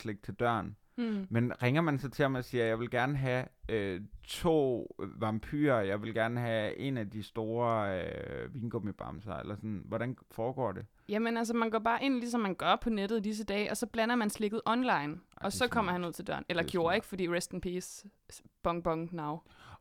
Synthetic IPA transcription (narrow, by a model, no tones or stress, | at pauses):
sleɡ̥̚t͡sʰe̝ld̥ɶɐ̰n | menʁeŋɐmænsɑt͡sʰe̝lɒmæsiːɐjɑ̈ɪʋe̝lɡ̥æɐnəɦæøt͡sʰo̝̰ːʋɑ̈mpʰy̰ːɐjɑ̈ɪʋe̝lɡ̥æɐnəɦæe̝næd̥isd̥o̝ːɐ | ʋiːnɡ̥omib̥ʁɑ̈msɐḛlɐsɒ̽n̩ʋɒɾænfɒːɡ̥ɒ̰ːd̥e̝ | jæmenæls̬ɐmænɡɒːb̥ɑ̈ːʔe̝n̰lisɒ̽mːænɡ̥ɶɐpʰɒ̽ned̥ð̞̩ˠd̥is̬əd̥ɛ̰ːʔɒ̽sɒ̽b̥lænɐmænsle̝ɡ̥ð̞̩ˠʔɒ̽nlɑ̈ɪnɒ̽sɒ̽kʰɒ̽m̰ɐhænuð̰ˠt͡sʰe̝ld̥ɶ̰ɐ̰nelɐɡ̥jo̝ːɐe̝ɡ̥ə̥fɒ̽d̥ḭːʁesd̥n̩pʰiːsb̥ɒ̽ŋb̥ɒ̽ŋnɑ̈ʊ̰